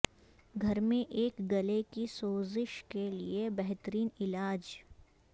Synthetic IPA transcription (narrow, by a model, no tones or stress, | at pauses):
ɡʱɐɾmẽʔeːkɡɐlekisoːzɪʃkeliebɛɦt̪əɾiːnɪlaːd͡ʒ